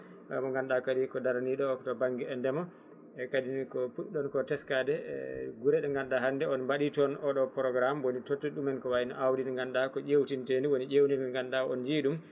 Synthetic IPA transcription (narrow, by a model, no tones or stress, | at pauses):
a̰mɔŋɡanɗakadikɔdaɾaniɗɔktɔbaŋɡɛɛndɛmɔ | ɛkadinikɔpuɗɗɔnkɔtɛskadɛɡuɾɛɗɛŋɡandaɦandɛɔnbaɗitɔnʔɔɗɔpɾɔɡɾamwonitotːuɗumɛnkɔwajinɔ̰ʔawdinŋɡanɗakɔʔewtinteniwoniʔewninŋɡanɗawɔnd͡ʒiɗum